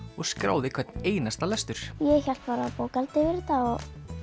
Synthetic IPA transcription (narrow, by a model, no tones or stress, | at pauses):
ɔɣskɾa̰ːwðɪkʰv̥ɛt̪neːjnast̪alɛst̪ʏɾ̥jɛçal̥t̪̚paːɾapoːwkalt̪ɪvɪɾt̪aɔɣ